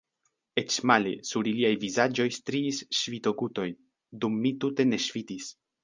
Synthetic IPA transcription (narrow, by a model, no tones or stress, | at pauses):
e̞t͡ʃmalḛsuɾiliajvizad͡ʒo̞jst̪ɾiːsʃvito̞ɡuto̞j | dumːitute̞ne̞ʃfitis